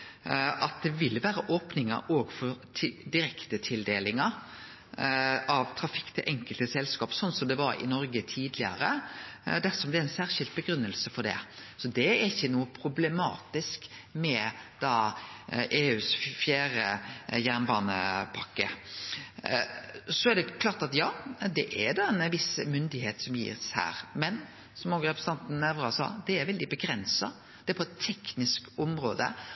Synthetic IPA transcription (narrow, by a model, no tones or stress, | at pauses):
ʔɑt̪̚d̪ɛʋɪlːʋæːɾəʔoːpnɪŋə̰ʔoːɡfɔɾʰd̪ɪɾɛkt̪ət̪ʰɪld̪eːlɪŋɑ | ʔɑʋt̪ʰɾɑfɪ̥kːt̪ʰɪʔɛŋkəlt̪əsɛlːskɑːpsɔnːsɔmd̪ɛʋɑɾɪ̰nɔɾɡət̪ʰiːd̪lɪə̰ɾəd̪æsɔmblɛææɪnsæːʁʃɪlt̪̚bəɡɾʉnːəlsəfɔɖ̪ɛ̰sɔd̪ɛæɾɪçːənuːəpʰɾʊblɛmɑ̰ːt̪ɪskmɛd̪̥ɑːʔeːʉːsfjæːɾəjæʁnbɑːnəpʰɑkːə | sɔæɾd̪ɛkʰlɑːɾt̪ɑt̪jɑːd̪ɛʔæd̪ɑɛnʋɪsmʏnd̪ɪheːt̪sɔmjḭːʁshæ̰ːɾmɛn | sɔmoːɡɾɛpʰɾɛsəɑnt̪n̩ːɛʋɾɑsɑ̰ːd̪ɛæɾʋɛld̪ɪbəɡɾɛnsɑ̰ | d̪̥ɛæpʰɔɛt̪ʰːɛknɪskɔmɾoːd̪ə̰